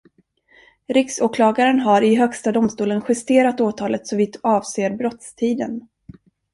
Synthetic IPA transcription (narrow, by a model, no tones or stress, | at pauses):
ɾɪksoːkʰlɑːɡaɾənɦaɾɪɦœkst̪ad̪ʊmst̪uːlənɧɛst̪eːɾat̪oːt̪ʰɑːlət̪sɔviːt̪ɑːvseːɾbɾɔt̪st̪ʰiːd̪ən